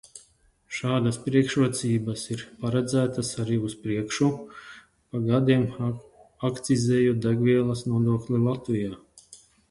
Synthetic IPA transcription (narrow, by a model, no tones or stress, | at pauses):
ʃaːd̪aspɾiɛkʃɾuɔt̪siːbɐsiɾpaɾɛd̪zæːt̪asaɾiːuspɾiɛkʃu | paɡad̪iɛm | akt̪sizeːjud̪aɡviɛlˠɐsnuɔd̪uɔklʲilˠat̪vijaː